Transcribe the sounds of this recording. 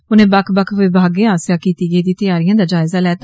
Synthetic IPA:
ʊnẽːbəkʰbəkʰʋɪbʱaːɡẽːaːsjaːkiːt̪iːɡəiːd̪iːt̪əjaːɾijãːd̪aːd͡ʒaːɪzaːlɛːt̪

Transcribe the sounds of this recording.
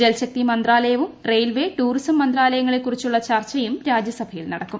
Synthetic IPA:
d͡ʑelɕɐk̚t̪imɐnd̪raːlɐjɐʋumrejlʋe̞ʈuːrisɐmːɐnd̪raːlɐjɐŋːɐɭekːurit͡ɕːuɭːɐt͡ɕɐrt͡ɕɐjumɾaːd͡ʑjɐsɐbʱʰɐjilnɐɽɐkːum

